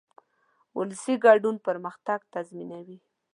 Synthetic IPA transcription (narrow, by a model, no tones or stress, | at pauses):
wʊlsiɡɑɖunpəɾməxt̪aɡt̪azminawi